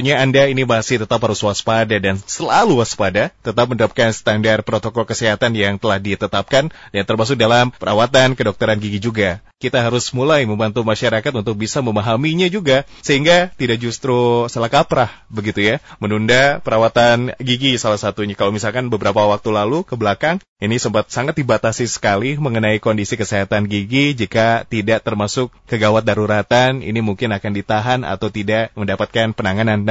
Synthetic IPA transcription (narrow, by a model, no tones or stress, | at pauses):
ɲaːndainimasɪht̪ət̪apɦaɾʊswaspadadansəlaluwaspadat̪ət̪ap̚məndəɾap̚kansə̥t̪andarpəɾot̪okɔlkəseɦat̪anjaŋt̪əlahdit̪ət̪ap̚kandant̪ərmas̬ʊk̚dalampəɾa̰wat̪ankədɔk̚t̪əɾanɡiɡid͡ʒuɡa | kit̪aɦaɾʊsmulajməmbant̪umaʃaɾakat̪unt̪ʊk̚bisaməmaɦamiɲad͡ʒuɡasəɦiŋɡat̪idak̚d͡ʒust̪ɾusalahkapɾahbəɡit̪ujamənundapəɾawat̪anɡiɡisalahsat̪uɲakalowmisalkanbəbəɾapawak̚t̪ulalukəbəlakaŋ | inisəmpat̪̚saŋat̪̚dibat̪asisə̥kaliməŋənaikondisikəseɦat̪anɡiɡid͡ʒikat̪idaʔt̪ərmasʊkːəɡawat̪̚daɾuɾat̪anḭnimuŋkɪnakandit̪aɦana̰t̪awt̪idaʔməndapat̪̚kanpənaŋananː